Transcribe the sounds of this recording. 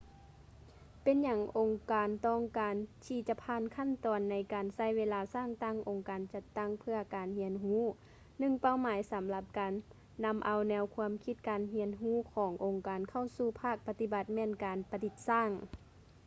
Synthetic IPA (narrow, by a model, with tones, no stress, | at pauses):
pe˨nɲa˧˦ŋʔo˨˧ŋkaː˨nt̪ɔː˧˩ŋkaː˨nt̪ʰiː˧˩t͡ɕa˧pʰaː˧˨nkʰa˥˨nt̪ɔː˨nːa˧˦jkaː˨nsa˧˩˨jweː˧˥laː˧saː˧˥˨ŋt̪a˧˥˩ŋʔo˨ŋkaː˨nt͡ɕa˧t̪ːa˧˥˩ŋpʰɯ˧ɐkaː˨nhi˧˥ənɦuː˧˥˨ | nɯ˧˨ŋpa˧˩˨wmaː˨˦jsa˨˦mla˧p̚kaː˨nː | a˧˥mʔa˨wnɛː˧wkʰu˧əmkʰi˧˥t̪̚kaː˨nɦi˧˥ənɦuː˧˥˨kʰɔː˨˦ŋʔo˨ŋkaː˨nkʰa˧˩wsuː˧˩pʰaː˥˩k̚pa˧t̪i˧˩ba˧t̪̚mɛː˧˨nkaː˨npa˧t̪i˧˦t̪̚saː˧˥˩ŋ